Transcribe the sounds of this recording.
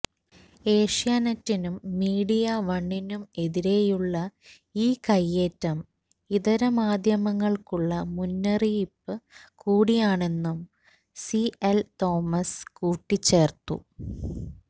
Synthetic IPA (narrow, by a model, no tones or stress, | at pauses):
e̞ːʂijaːnɐtːinumːiːɽijɐʋɐɳːinume̞ðiɾe̞juɭːɐ | iːkɐjːeːtːɐm | iðɐɾɐmaːd̪ʱjɐmɐŋːɐɭkuɭːɐmunːɐripːɨkuːɽijaːɳe̞nːum | sielt̪o̞ːmɐskuːʈːit͡ɕːe̞ːrt̪ṵ